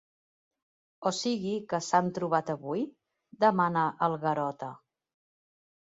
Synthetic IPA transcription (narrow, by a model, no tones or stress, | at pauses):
osiɣikəsant̪ɾuβ̞at̪əβuj | d̪əmanəʔəlˠɣəɾɔt̪ə